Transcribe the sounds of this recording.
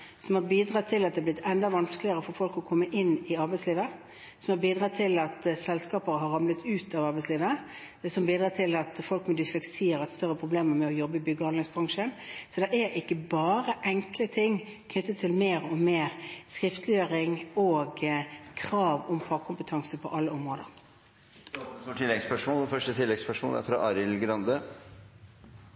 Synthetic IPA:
sɔmhɑɾbiːd̪ɾʁɑːt̪ʰːɪlːɑt̪̚d̪ɛhɑblɪt̪ʰːɛnd̪ɑʋɑnsklɪəɾəfɔɾfɔlkɔkʰɔmːəʔɪnːɪɑɾbæɪtsliːʋə | sɔmhɑɾbiːd̪ɾɑːt̪ʰɪlɑt̪sɛlskɑːpəɾəɦɑɾɑmlət̪ʉːt̪ʰɑʋɑɾbɛɪsliːʋə | d̪ɛsɔmbiːd̪ɾɑːt̪ʰɪlɑt̪fɔlkmɛd̪ɪslɛksiːəɾɛt̪st̪œɾːəpʰɾʊbleːməɾmɛɔjɔbːəɪbʏɡːəɑnlɛŋsbɾʁɑŋʂənsɔd̪ɛʔæɾʔɪkːəbɑːɾəʔɛŋklət̪ʰɪŋː | kʰnʏt̪ːət̪ʰːɪlmeːʁɔmeːʁskɾɪft̪lɪjøːɾɪŋoːɡkʰʁɑːʋɔmfɑkʰʊmpət̪ʰɑŋsəpʰɔʔɑlːəɔmʁoːd̪ə̰ɾ | uʈʰɪlːɛɡspœʂmoːlfœʂʈət̪ʰɪlːɛɡspœʂmo̰ːlæ̰ɾfɾɑ̰ʔɑɾɪlɡɾɑnd̪ə

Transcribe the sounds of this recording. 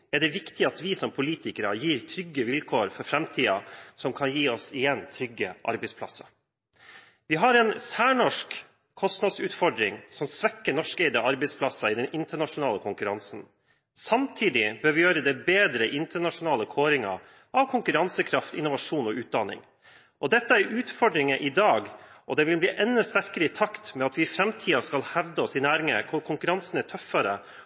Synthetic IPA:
ɛɖɛʋɪkt̪ɪɑt̪ʋɪsɔmpʰʊliːt̪ɪkəɾɑjiːɾt̪ʰɾʏɡːəʋɪlkʰoːɾfɔɾfɾɛmt̪ʰiːɑsɔmkʰɑnjiːɔsɪjɛnt̪ʰɾʏɡːəʔɑ̰ɾbɛɪspʰlɑsɑ | ʋɪɦɑɾɛːnsæːɳɔʂk | kʰɔst̪nɑd̪sʉːt̪fɔɖɾɪŋsɔmsʋɛkːəɳɔʂkɛɪd̪əɑɾbɛɪspʰlɑsɑɪd̪ɛnʔɪnt̪əɳɑʂʊnɑːləkʰʊŋkʉɾɑnsn̩ | sɑmt̪ʰiːd̪ɪbøːɾʋɪjøːɾəd̪ɛɪbeːd̪ɾəʔɪnt̪əɳɑʂʊnɑːləkʰoːɾɪŋɑ̰ | ɑʋkʰʊŋkʉɾɑnsəkʰɾɑft̪ɪ̰nʊʋɑʂuːnɔʔʉːt̪̚d̪ɑnɪ̰ŋ | ʔɔd̪ɛt̪ːəæɾʉːt̪fɔɖɾɪŋəʔɪd̪ɑːɡʔɔ̰d̪ɛʋɪlbliːʔɛnːɔst̪æɾkəɾəɪt̪ʰɑkt̪mɛɑt̪ʋɪfɾɛmt̪ʰiːɑskɑlhæʋd̪əɔsɪnæːɾɪŋə̰kʰʊɾkʰʊŋkʉɾɑnsnæʈʰœfːɑɾə

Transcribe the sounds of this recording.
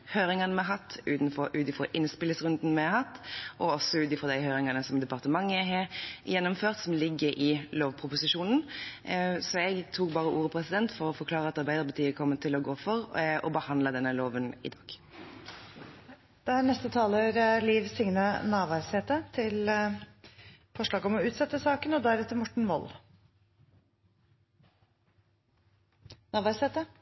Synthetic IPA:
høːɾɪŋɑnəmɛɦɑt̪ːʉːt̪n̩fɔɾʉːt̪ɪfɔɾʔɪnspɪləsʁʉnd̪n̩mɛhɑt̪ːʔɔɔsɔʉːt̪ɪfɔʁd̪æɪɦøːɾɪŋɑnəsɔmd̪ɛpɑʁt̪əmɑŋːəɦeːjɛnːʊmføːʁt̪sɔmlɪɡːəɾʔɪloːʋpʰɾʊpʊsɪʂuːnn̩ | sɔɛɡt̪ʰuːk̚bɑːʁəʔuːɾəpʰɾɛsɪd̪ɛnt̪fɔɾɔfɔɾkʰlɑːʁəɑt̪ɑɾbæɪd̪əɾpɑt̪ʰiːəkʰɔmːət̪ʰɪlɔɡoːfɔɾʔɔ̰bəhɑnd̪ləd̪ɛnːəloːʋənɪ̰d̪ɑːɡ̥ | d̪̥ɛæːɳɛst̪ət̪ʰɑːləɾliːʋsɪŋnənɑːʋɑɾseːt̪ət̪ʰɪl | fɔʂɭɑːɡɔmɔʉːt̪sɛt̪ːəsɑːkənɔd̪ɑːæɾɛt̪ːəmɔʈɳ̩ʋɔ̰l | nɑːʋɑɾseːt̪ə

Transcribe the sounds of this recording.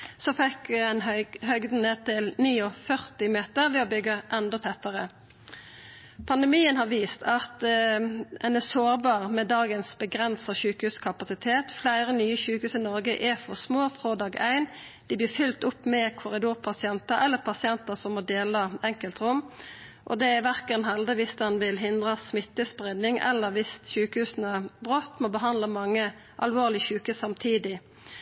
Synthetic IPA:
sɔfɛkɛnhœɡd̪n̩eːt̪ʰɪlniːɔfœʁt̪ɪmeːt̪əʁʋɛːɔbʏɡːəʔɛnd̪ɔt̪ʰɛt̪ːəʁə | pʰɑnd̪ɛmiːənhɑːʁʋiːst̪ʰɑt̪ | ɛnɛsoːʁbɑːʁmɛd̪ɑːɡənsbəɡʁɛnsɑʃʉːkəhʉːskʰɑpɑsɪt̪ʰeːt̪flæɪʁənyːəçʉːkəhʉːsɪnɔʁɡəʔɛfɔʁsmoːfʁoːd̪ɑːɡæɪnd̪̥ɪbliːfʏlt̪ʊpːmɛkʰʊʁɪd̪uːʁpʰɑsɪɛnt̪əɾɛlːəpʰɑsɪɛnt̪əsɔmːɔd̪eːləɛŋkəlt̪ʁʊmː | ʔɔ̰d̪ɛæʋæʁkənɦɛld̪əʋɪsd̪ɛnʋɪlɦɪnd̪ʁəsmɪt̪ːəspʁɪd̪nɪŋɛ̰lːəʁʋɪst̪çʉːkəhʉːsnəbʁot̪ːmɔbəɦɑnd̪ləmɑŋːə | ʔɑlʋoːʁlɪçʉːkʉːsɑmt̪ʰiːd̪ɪ

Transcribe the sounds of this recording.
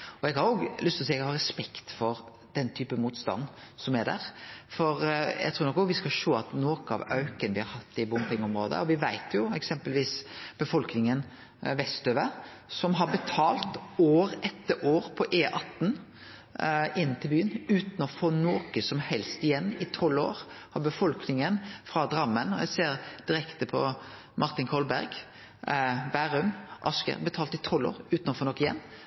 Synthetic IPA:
ɔɛɡhɑɾʊoːɡlʏst̪ɔsiːɡhɑɾɛspɛkt̪fɔɾ | d̪̥ɛnt̪ʰyːpəmuːt̪st̪ɑ̰nːsɔmæɾd̪æ̰ɾfɔɾjæ̰ɡt̪ʰɾuːɾnɔkːɔɡʋɪskɑʃoːɑt̪noːkəɑ̰ʋœʉkənəʋɪhɑɾhɑt̪ːɪbʊmpɪŋɔmɾoːd̪ə̰ɔʋɪʋæɪt̪ʰjʊɛksɛmpəlʋiːsb̥əfɔlknɪŋən | ʋɛst̪øːʋəsɔmɦɑɾbət̪ʰɑːlt̪oːɾɛt̪ːəʔoːɾpʰɔʔeːʔɑt̪ːn | ɪnːt̪ʰɪlbyːənʉːt̪nɔfɔɾnoːkəsɔmhɛlst̪ɪjɛnːɪt̪ʰɔlːo̰ːɾhɑbəfɔlknɪŋənfɾɑd̪ɾɑmːənɔjæ̰ɪseːɾd̪̥ɪɾɛkt̪əpʰɔ | mʔɑɾt̪ɪnkʰɔlbæɾɡ | bæɾʉmʔɑskə̰ɾbət̪ʰɑːlt̪ɪt̪ʰɔlːo̰ːɾʉːt̪nɔfɔɾnɔkːɪjɛ̰nː

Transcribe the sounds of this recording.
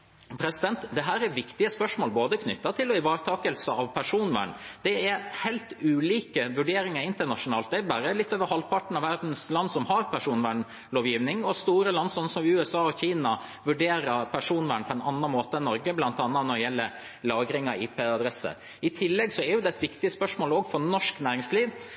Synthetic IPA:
pʰɾɛsɪd̪ɛnt̪d̪ɛɦæːɾæɾʋɪkt̪ɪəspœʂmoːlboːd̪əkʰnʏt̪ːɑt̪ʰɪlːɔɪʋɑːɾt̪ʰɑːkəlsəɑʋpʰæʂuːnʋæ̰ːɳd̪̥ɛɛɾhɛɪlt̪ʉːliːkəʋʉɖeːɾɪŋəɾɪnt̪əɳɑʂʊnɑːlt̪̚d̪ɛbæɾəlɪt̪ːøːʋəɾhɑlpʰɑʈɳ̩ɑʋæɾd̪n̩slɑnd̪sɔmhɑɾpʰæʂuːnʋæːɳ | loːʋjiːʋnɪŋɔst̪uːɾəlɑnd̪sɔnːsɔmʉɛsɑːɔçiːnɑ | ʋʉɖeːɾəɾpʰæʂuːnʋæːɳpʰɔɛnɑnːɑnmoːt̪ənːɔɾɡəblɑnt̪ɑnːɑt̪nɔɖɛjɛlːə | lɑːɡɾɪŋɑiːpʰeːɑd̪ɾɛsə̰ | ɪt̪ʰɪlːɛɡsɔɛɾjʊd̪ɛɛt̪ʋɪkt̪ɪəspœʂmoːlɔːɡfɔɾnɔʂknæːɾɪŋsliːʋ

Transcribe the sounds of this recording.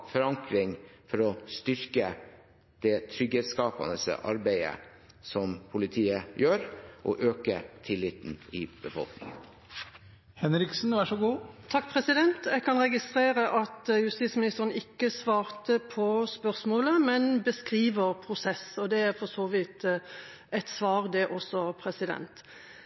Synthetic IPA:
fɔɾɑŋkɾɪŋfɔɾɔst̪ʏɾkə | d̪̥ɛt̪ʰɾʏɡɛd̪skɑːpɑ̰nəsə̰ʔɑ̰ɾbæɪə̰ | sɔmpʰʊlɪt̪ʰiːəjøːɾʔɔ̰ʔøːkət̪ʰɪlɪt̪n̩ɪb̥əfɔ̰lknɪ̰ŋən | hɛnɾɪksn̩ʋæʂɔɡuːt̪ʰɑk̚ːpʰɾɛsɪd̪ɛnt̪jɛɡkʰɑnɾɛɡɪst̪ʁeːɾəʔɑt̪jʉst̪ɪt̪smɪnɪst̪əɾənɪkːəsʋɑːɾt̪əpʰɔspœʁsmoːləmɛnbəskʁiːʋəɾpʰɾʊsɛsɔd̪ɛæɾfɔsoːʋiːt̪ | ɛɪt̪sʋɑːʁd̪ɛʔɔsːɔpʰɾɛsɪd̪ɛ̰nt̪

